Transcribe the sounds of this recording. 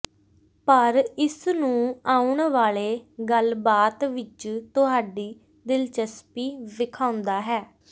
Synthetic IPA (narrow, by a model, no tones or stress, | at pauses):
pəɾɪsnũːaːʊɳʋaːleːɡəlbaːt̪ʋɪt͡ʃt̪ʊɦaːɖiː | d̪ɪlt͡ʃəspiːʋɪkʰaːʊ̃nd̪aːɦɛː